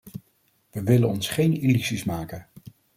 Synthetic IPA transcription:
ʋəʋɪlənɔnsχejnilyzismaːkən

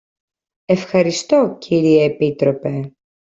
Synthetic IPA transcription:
e̞fxɐɾist̪o̞cʰiɾieːpit̪ɾo̞pe̞

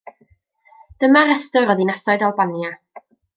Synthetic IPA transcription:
d̥əmaɾɛstɔɾɔðinasɔɨjdalˠbanja

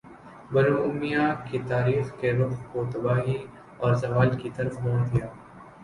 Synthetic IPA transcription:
bɐɾoʊmijakit̪aːɾiːxkeɾʊqkot̪ɐbaːɦi | ɔːɾzɐʋaːlkit̪ɐɾəfmoːnd̪ijaː

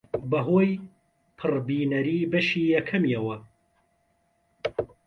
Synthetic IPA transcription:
bɐɦoːj | pʰɨrbiːnɐɾiːbɐʃiːjɐkʰɐmjɐwɐ

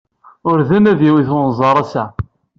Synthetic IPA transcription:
ʊɾðənæðjiwiθʊnzˤɑɾˤæsæ

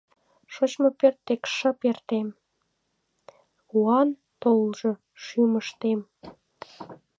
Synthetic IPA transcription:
ʃot͡ɕmopørt̪ːekʃə̆pert̪em | uɑn | t̪olʒɤ̆ | ʃyməʃt̪em

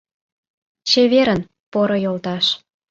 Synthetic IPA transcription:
t͡ɕeβeɾən | poɾojolt̪ɑʃ

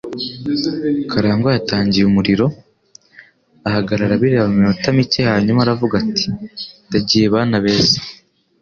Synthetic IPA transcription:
kaɾaːŋɡojataːɲɟijumuɾiɾo̞ | ahaɡaɾaɾaβiɾeaβamiotamit͡ʃejaːɲumaːɾavuɡati̥daɟijeβaːnaβe̞ːse̥

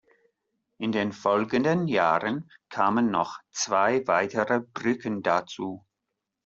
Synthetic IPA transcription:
ʔɪndeːnfɔlɡəndənjaːʁənkʰaːmənːɔχt͡sv̥aɪvaɪtəʁəb̥ʁʏkəndat͡suː

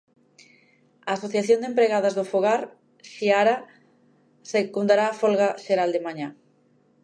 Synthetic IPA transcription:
aːsoθjaθjond̪empɾeɣað̞azðʊfoɣaɾ | ʃiaɾa | sekund̪aɾaːfɔlɣaʃeɾald̪emaɲa

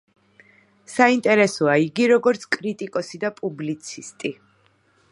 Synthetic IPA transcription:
saint̪ʼɛɾɛsɔaiɡiɾɔɡɔɾt̪sʰkʼɾit̪ʼikʼɔsid̪apʼublit̪sʰist̪ʼi

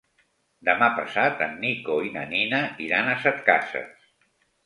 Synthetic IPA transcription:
d̪əmapəsat̪ə̰nːikoinə̰ninəiɾanəsət̪ka̰sə̰s

